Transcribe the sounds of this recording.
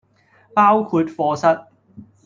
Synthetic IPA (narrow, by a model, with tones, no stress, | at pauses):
paː˥wkʰuː˨˧t̚fɔː˧sɐ˥t̚